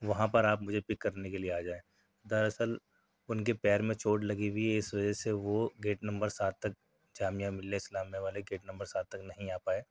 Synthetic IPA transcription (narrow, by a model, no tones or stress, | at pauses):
ʋɐɦãpɐɾaːpmʊd͡ʒʱepɪkːɐɾnekelieaːd͡ʒaːẽː | d̪ɐɾɐsəl | ʊnkepɛːɾmẽt͡ʃʰoːʈlɐɡibʱiɪsʋɐd͡ʒɛseʋoɡeːʈnɐ̃mbəɾsaːt̪ːɐk̚ | d͡ʒaːmijãmɪlːeɪslaːmːẽʋaːleɡeːʈnɐ̃mbəɾsaːt̪ːɐknɐɦĩaːpaːeː